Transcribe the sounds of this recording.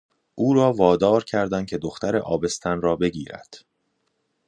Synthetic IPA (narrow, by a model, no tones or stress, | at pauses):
ʔuːɾɒːvɒːd̪ɒːɾcʰæɾd̪æn̚cʰe̞d̪oxt̪ʰæɾeʔɒːbe̞st̪ʰænrɒːbe̞ɟiːɾæ̰d̪̥